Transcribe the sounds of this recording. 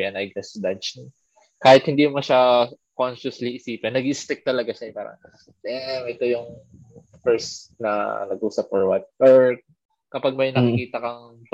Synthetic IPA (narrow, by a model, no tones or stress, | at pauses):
ʔɐnɐjɡɛsd̪at͡ʃni | kaːhɪt̪hɪnd̪imɐʃa | konʃʊsliʔɪsiːpɛnːɐɡist̪ɛk̚t̪ɐlɐɡaʃɐpaːɾɐ̰ŋ | dɛmʔɛt̪ojʊŋ | fɛɹsnɐ̰nɐɡʔuːsɐp̚ːɔɹwat̪̚ʔoɹ | kɐpaɡ̚mɐjnɐkɪkiːt̪ɐkɐŋ